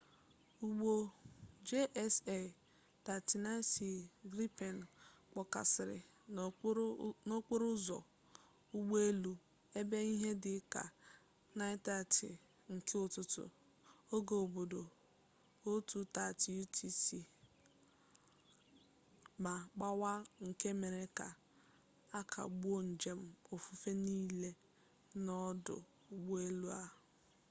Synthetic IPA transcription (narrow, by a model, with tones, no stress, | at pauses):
u˦˨ɡ͡bo˦d͡ʒe˦ʔɛ˦se˨ | ta˨ti˨na˦si˨ɡɾi˦pe˨n˨k͡pɔ˨ka̰˨sɪ˨ɾɪ̰˨ | no˦k͡pe˦ɾʊ˦zɔ̰˨ | u˦ɡ͡be˦lu˨ | e˦be˦i˦ɦe˦dɪ˨˦ka̰˨ | na˦ɪ˦ta˦˨tɪ̰˨ | ŋ̩˨ke˦ʊ˨tʊ˨tʊ̰˨ | o˦ɡo˨o˨bo˨do˨ | o˦tu˦ta˦˨ti˨u˦tʰi˦si˦ | ma˨k͡pa˦wa˦ŋ̩˨ke˦me˨ɾe˨ka˨ | a˦kʰa̰˨ɡ͡bu˦o˦n̩˨d͡ʒe˨m̩˦o˨fu˦fe˦niː˦le˦ | nɔ˦dʊ̰˨ | u˦ɡ͡be˦lu˦a˦